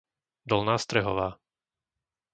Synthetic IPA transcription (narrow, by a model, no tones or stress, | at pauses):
d̪ɔlnaːst̪ɾɛɦɔʋaː